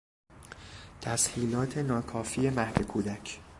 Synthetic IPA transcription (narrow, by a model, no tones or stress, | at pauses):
t̪ʰæshiːlɒːt̪ʰe̞nɒːkʰɒːfiːe̞mæhd̪e̞kʰuːd̪æcʰ